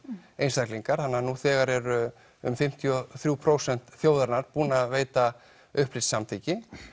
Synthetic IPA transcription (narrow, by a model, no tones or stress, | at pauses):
ejnst̪akliŋkaɾ̥hanːanuθɛːɣaɾɛɾʏ | ʏ̰mfɪm̥t̪ʰjɔθɾjupʰɾoːwsɛn̥t̪θjoːwðaɾnaɾ̥puːnaaðveːjt̪a | ʏhplɪt̪samt̪ʰiːcɪ